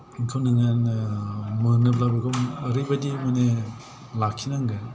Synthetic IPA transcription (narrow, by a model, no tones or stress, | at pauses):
iŋkʰawnɯŋan | mɯnɯp̚labɯɡʰɯmɯɾibadimane | lakʰːinaŋɡa